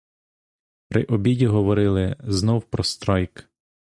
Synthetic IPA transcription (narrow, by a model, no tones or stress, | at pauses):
pɾʔɪ̰ʔɔbʲidʲiɦɔʋɔɾɪlˠɪznɔwpɾɔst̪ɾɑjk